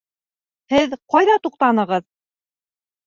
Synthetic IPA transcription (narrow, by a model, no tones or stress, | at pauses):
hɘðqɑjðɑt̪uq̚t̪ɑnɤ̆ʁɤð